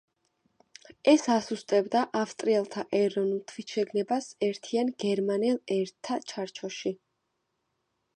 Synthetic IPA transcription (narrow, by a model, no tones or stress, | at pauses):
ɛsasust̪ʼɛbd̪aʔafst̪ʼɾiɛlˠt̪ʰaʔɛɾɔnulˠt̪ʰwisʃɛɡnɛbasɛɾt̪ʰianɡɛɾmanɛlˠɛɾt̪ʰːat͡ʃʰaɾt͡ʃʰɔʃi